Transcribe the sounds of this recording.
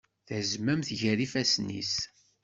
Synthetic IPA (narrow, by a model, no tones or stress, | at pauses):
θæzmæmθʝæɾifæsnḭs